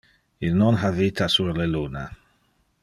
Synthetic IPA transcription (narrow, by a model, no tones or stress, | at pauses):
ilnɔnɦavit̪asuɾleluːna